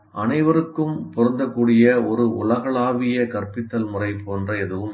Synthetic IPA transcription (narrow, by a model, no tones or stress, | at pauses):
ʔɐnɐɪʋɐɾɯkːɯmpɔɾɐnd̪ɐkːuːɽɪjɐɔɾɯʊɭɐɣɐɭaːʋɪjɐkɐrpɪt̪ːɐlmʊrɐɪpoːndrɐɛðɯʋɯm